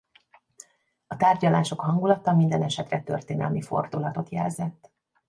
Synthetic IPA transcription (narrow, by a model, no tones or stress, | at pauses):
ɒt̪aːrɟɒlaːʃo̞kɦɒŋɡulɒt̪ːɒmind̪ɛnɛʃɛt̪rɛt̪ø̰rt̪eːnɛ̰lmifo̞̰rd̪ulɒt̪o̞t̪jɛ̰lzɛt̪ː